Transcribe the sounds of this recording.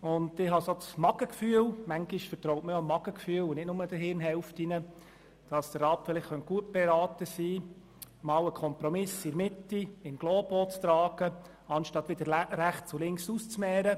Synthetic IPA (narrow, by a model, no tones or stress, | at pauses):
ʊndɪɦɑsosmɑɡəkfyːəlmæŋɡiʃfəɾtɾɔʊtməjomːɑɡəkfyːəlʊnɪtnʊməd̥əɦɪɾnɦɛlftɪnə | d̥ɑsd̥ərɑːpfɪlɪχχœnt̚ɡ̥uət̚b̥ɛɾɑːtəsiː | mɑwəkʰɔmpɾɔmɪsɪɾmɪtːiɪnɡ̥loːb̥oːt͡st̪ɾɑːɡ̥ə | ɑnʃtɑt̪ʋɪd̪əɾɾæχt͡sʊlɪŋksuːst͡smɛːɾə